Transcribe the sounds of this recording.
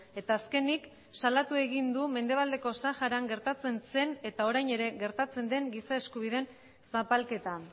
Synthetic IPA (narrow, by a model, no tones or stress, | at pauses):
e̞t̪aːske̞nik | salat̪ue̞ɣind̪ume̞nd̪e̞β̞ald̪e̞ko̞saʝaɾaŋɡe̞ɾt̪at͡se̞nse̞ne̞t̪ao̞ɾajɲe̞ɾe̞ɣe̞ɾt̪at͡se̞nd̪e̞ŋɡisaeskuβ̞iðe̞n | sapalke̞t̪a